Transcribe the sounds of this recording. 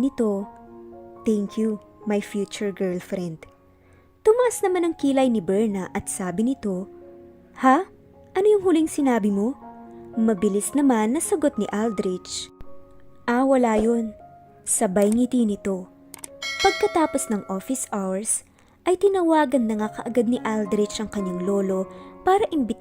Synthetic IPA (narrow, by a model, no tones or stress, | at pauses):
nɪt̪o̞ | t̪ɛŋkʰjumɐjfjuːt͡ʃʊɹɡɛɹlfɾɛnd̪ | t̪ʊmɐʔasnɐmanɐŋkilɐjnɪbɛɹnɐʔɐt̪̚saːbɪnɪt̪o̞ | ha | ʔɐnojʊŋɦʊlɪŋsɪnaːbɪmo̞ | mɐbɪlisnɐmanːɐsɐɡo̞t̪̚nɪʔald̪ɾɪt͡ʃ | ʔawɐlaːjon | sɐbɐjŋit̪inɪt̪o̞ | pɐɡ̚kɐt̪aːpo̞snɐŋʔofɪsawɛɹs | ʔɐjt̪ɪnɐwaːɡɐnːɐŋakɐʔɐɡad̪̚nɪʔald̪ɾɪt͡ʃʔɐŋkɐɲːaŋlo̞ːlo̞paːɾɐʔɪmbɪt̪